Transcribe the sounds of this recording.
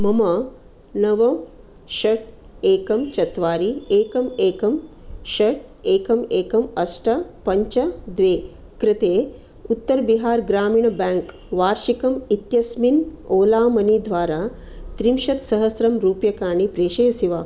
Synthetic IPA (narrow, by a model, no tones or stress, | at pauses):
mɐmɐ | nɐʋɐm | ʃɐʈ | eːkɐmt͡ʃɐt̪ʋaːɾieːkɐmeːkɐmʃɐʈ̚eːkɐmeːkɐmɐsʈɐpɐɲt͡ʃɐd̪ʋeː | kɾɪt̪eː | ut̪ːɐɾbiɦaːɾɡɾaːmiːɳɐbɛːŋk | ʋaːɾʃikɐmit̪jɐsminoːlaːmɐnid̪ʋaːɾaː | t̪ɾimʃɐt̪sɐɦɐsɾɐmɾuːpjɐkaːɳipɾeːʃeːsiʋaː